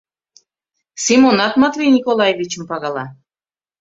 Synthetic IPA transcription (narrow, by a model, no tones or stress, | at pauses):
simonɑt̪mɑt̪vʲejnʲikolˠɑjevʲit͡ɕə̆mpɑɣɑlˠɑ